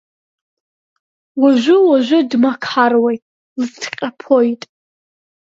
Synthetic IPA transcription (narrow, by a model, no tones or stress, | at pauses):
waʒʷʊwaʒʷᶣʊdmakʰħarwejtʼ | lɨtʰqʲʼapʰojtʼ